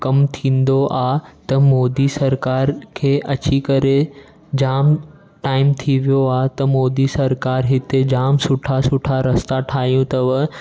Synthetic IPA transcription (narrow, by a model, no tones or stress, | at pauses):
kɐmt̪ʰĩːnd̪oʔat̪ɐmoːd̪isɐɾkaːɾkʰeːʔɐt͡ɕikɐɾe | d͡ʑaːm | ʈaːɪmt̪ʰiʋijoat̪ɐmoːd̪isɐɾkaːɾɦɪt̪ed͡ʑaːmsʊʈʰasʊʈʰaɾɐst̪aʈʰaːɦjũt̪ɐʋə